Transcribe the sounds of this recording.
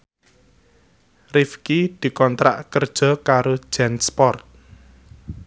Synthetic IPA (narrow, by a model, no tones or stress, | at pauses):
rifkid̪̥i̤kɔnt̪ɾa̰ʔkərd̥ʒ̥ɔ̤kaɾo̥ʒ̥ɛnspɔrt̪̚